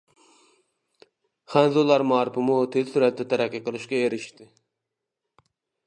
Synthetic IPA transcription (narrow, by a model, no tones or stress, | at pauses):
χænzolˠɑɾmɑːɾɪpɪmut̪ʰezsuɾɛt̪̚d̪ɛt̪ʰæɾæqʲːiqəlˠɨʃkʲɛeɾɪʃt̪ɪ